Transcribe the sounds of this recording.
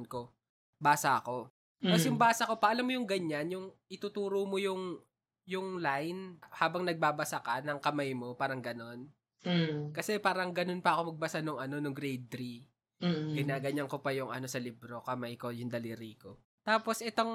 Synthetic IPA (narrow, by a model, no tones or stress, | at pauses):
nko̞ | baːsaʔɐko̞ | ɐsjʊŋbaːsɐko̞pɐʔɐlamːojʊŋɡɐɲːanjʊŋʔɪt̪uːt̪uːɾomojʊŋ | jʊŋlajnhaːbɐŋnɐɡ̚baːbɐsakɐnɐŋkɐmajmo̞paːɾɐŋɡɐno̞n | kɐsɛpaːɾɐŋɡɐno̞npɐʔɐko̞mɐɡ̚bɐsanoŋʔɐno̞nʊŋɡɾɛjd̪ɾi | ɡɪnaːɡɐɲɐŋko̞pɐjʊŋʔɐ̰no̞sɐlɪbɾo̞kɐmajko̞jʊŋd̪ɐliɾiːko̞ | t̪aːpo̞sʔɛt̪oŋ